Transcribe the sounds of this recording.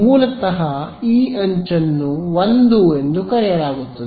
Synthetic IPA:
muːlɐt̪ɐɦɐiːɐɲt͡ʃɐnːuʋond̪uend̪ukɐɾijɐɾaːɡut̪ːɐd̪

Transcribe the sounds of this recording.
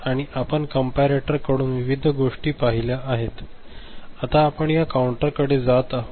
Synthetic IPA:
aɽ̃iʔapəɳkəmpaɾeʈəɾkəɽuːnʋiʋid̪ʱəɡoʂʈiːpaɦiljaʔːɦet̪ | at̪aːpəɳjakauɳʈəɾkəɽed͡zat̪a

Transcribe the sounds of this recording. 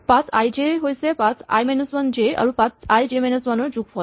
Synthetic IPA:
pãt͡sajd͡ʑeɦojsepat͡sa̰jmɛnusʋənd͡ʑea̰ɾupãt͡sajd͡ʑemɛnusʋanud͡ʑukfɔ

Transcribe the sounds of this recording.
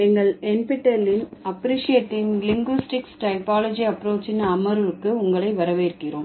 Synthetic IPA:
ɛŋɡɐɭɛnpɪʈːɐlɪnɐpɾiːʂɪeːʈːɪŋlɪŋɡʋɪsʈɪksʈɐɪpaːlɔd͡ʒiɐpːɾoːt͡ʃɪnɐɐmɐɾɯɾɯkːɯʊŋɡɐɭɐɪʋɐɾɐʋeːɪɾɯkːɪroːm

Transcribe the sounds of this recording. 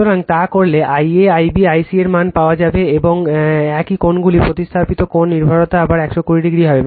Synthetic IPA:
oɾaŋt̪akoɾleʔajeajbiajsieɾmanpaoad͡ʑabeeboŋɛkikonɡulipɾot̪ist̪ʰapit̪okonːiɾbʱaɾot̪aabaɾɛkʃokuɾiɖiɡɾiɦɔbe

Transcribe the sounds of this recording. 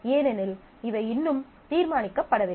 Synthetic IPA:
eːnɛnɪl | ɪʋɐɪɪnːɯm | t̪iːɾmaːnɪkːɐpːɐɽɐʋɪ

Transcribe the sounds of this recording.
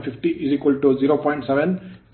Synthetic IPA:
pʰifʈiʔizikwəlʈuziɾopɔ̃j̃ɳʈsɛbɛ̃n

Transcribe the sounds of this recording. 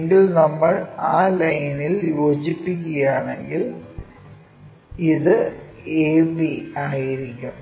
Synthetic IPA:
ŋɡilnɐmːɐɭaːlɐjniljoːt͡ɕipːik̬ʲːɐjaːɳeŋɡil | iðɨeːbiaːjiɾikʲːum

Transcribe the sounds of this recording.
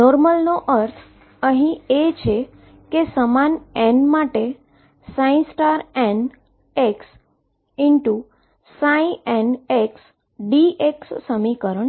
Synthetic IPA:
nɔɾməlnoʔəɾt̪ʰ | əɦĩet͡ʃʰe | kesəmanenmaʈe | sãĩnsʈaɾen | eks | ɪɳʈu | saĩeneks | ɖiʔeksːəmikəɾəɳ

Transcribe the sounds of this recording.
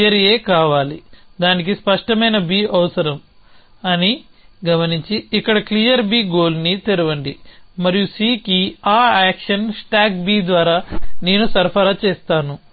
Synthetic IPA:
ɐɾije̞ːkaːʋaːlid̪aːnik̬ispɐʂʈɐmɐjnɐbiːɐʋɐsɐɾɐm | ɐni | ɡɐmɐniɲt͡ʃiːkːɐɽɐkliːjɐɾbiːɡoːlnit̪eɾuʋɐɳɖimɐɾijusiːkiaːaːkʂɐnsʈaːkbiːd̪ʋaːɾaːne̞ːnusɐɾpʰɐɾaːt͡ʃeːst̪aːnu

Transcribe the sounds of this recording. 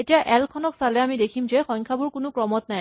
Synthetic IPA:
etijaʔɛlkʰɔnɔksalɛamidekʰimzɛxɔjŋkʰabʊɹkʊnʊkɹɔmɔtnaj

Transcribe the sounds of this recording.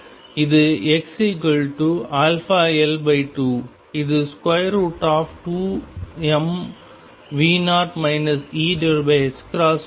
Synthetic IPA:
ɪðɯɛksikɐɭʈuaːlfaːɛlbɐɪʈuː | ɪðɨskwɐjɾuːʈaːfʈuːɛm | ʋiːnaːʈmɐɪnɐsiːɖɐɾbeskɾaːs

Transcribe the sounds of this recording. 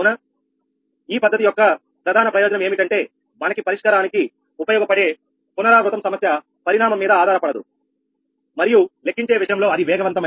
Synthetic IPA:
ɐnɐ | iːpɐd̪ːɐt̪̬ijɔkːɐ | pɾɐd̪ʱaːnɐpɾɐjo̞ːd͡ʒɐnɐme̞ːmiʈɐɳʈe̞ː | mɐnɐkipɐɾiʂkɐɾaːniki | upɐjoːɡɐpɐɽe̞ː | punɐɾaːɾut̪ɐmsɐmɐsjɐ | pɐɾiɽaːmɐmːiːd̪ɐaːd̪aːɾɐpɐɽɐd̪ṵ | mɐɾijulekːiɲt͡ʃe̞ːʋiʃʂɐjɐmlo̞ːɐd̪iʋɛːɡɐʋɐnt̪ɐmɐ

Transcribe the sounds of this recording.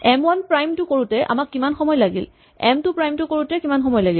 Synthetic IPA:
ɛmwanpɹajmtʊkoɹutɛʔa̰makːimanxɔmɔjlaɡḭl | ɛmtʊpɹajmtʊkoɹutɛkimanxɔmɔjlaɡil

